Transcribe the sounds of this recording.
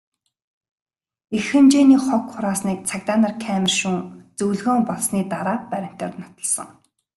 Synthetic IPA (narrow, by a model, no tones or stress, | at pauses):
exɘ̆mt͡ɕeːniːχɔkχʊɾaːsniːk̚t͡sʰakt̪aːnarkʰæːmɪ̆rʃuŋt͡sɵwɮɣoːmpɔɮsniːt̪aɾaːpæɾʲɪ̆m̥t̪ḛːrnɔt̪ə̆ɮsə̰̆ŋ